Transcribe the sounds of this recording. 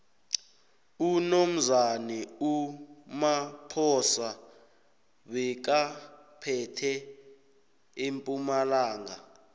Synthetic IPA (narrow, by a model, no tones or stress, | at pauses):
unom̩zanɛumapʰɔsa | ɓɛk̬a | pʰɛtʰɛ | empʼumalaːŋa